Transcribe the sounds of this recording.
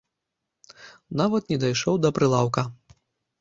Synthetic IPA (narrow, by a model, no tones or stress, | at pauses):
navɐt̪nʲɛd̪ajʂɔwd̪ɐpɾɨlˠawkɐ